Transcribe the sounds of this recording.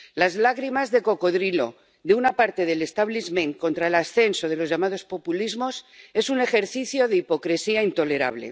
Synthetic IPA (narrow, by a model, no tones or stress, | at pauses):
lazlaɣɾimazðe̞ko̞ko̞ðɾilo̞̰ | ðeunapaɾt̪e̞ð̞e̞le̞st̪aβlizmẽ̞ŋko̞nt̪ɾaelasθe̞nso̞ð̞e̞lo̞zʝamaðo̞spo̞pulizmo̞se̞sune̞xe̞ɾθiθjo̞ðeipo̞kɾesiaint̪o̞le̞ɾa̰β̞le̞̰